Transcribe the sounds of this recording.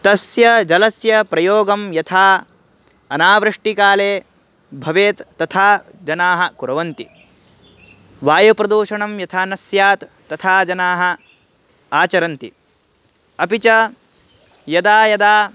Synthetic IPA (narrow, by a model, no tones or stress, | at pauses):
t̪ɐsjɐd͡ʒɐlɐsjɐpɾɐjoːɡɐmjɐt̪ʰaː | ɐnaːʋɾɨʂʈikaːleː | bʱɐʋeːt̪ːɐt̪ʰaː | d͡ʒɐnaːɦɐ̆kuɾɐʋɐnt̪i | ʋaːjɐpɾɐd̪uːʃɐɳɐmjɐt̪ʰaːnɐsjaːt̪ːɐt̪ʰaːd͡ʒɐnaːɦɐ̆ | aːt͡ʃɐɾɐnt̪i | ɐpit͡ʃɐ | jɐd̪aːjɐd̪aː